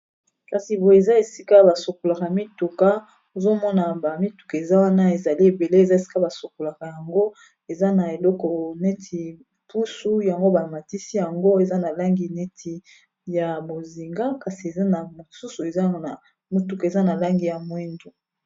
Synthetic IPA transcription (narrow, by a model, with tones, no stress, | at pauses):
ka˨si˨bo˨e˨za˦e˨si˦ka˦ba˨so˨ko˨la˨ka˨mi˦tu˨ka˦ | o˨zo˦mɔ˦na˨ba˨mi˦tu̥˨ka˨e˨za˦wa˦na˦e˨za˨li˦e˨be˨le˦e˨za˦e˨si̥˦ka˦ba˨so˨ko˨la˨ka˨ja˨ŋɡo˦ | e˨za˦na˨e˨lɔ˦kɔ˨ne˦tʰi˨ | pu˦su˦ja˨ŋɡo˦ba˨ma˨ti˦si˦ja˨ŋɡo˦e˨za˦na˨la˦ŋɡi˨ne˦tʰi˨ | ja˨bo˨zi˨ŋɡa˦ka˨si˨e˨za˦na˨mo˨su˦su˨e˨za˦a˨ | mi˨tu˨ka˨e˨za˦na˨la˦ŋɡi˨ja˨mwe˦ndu˨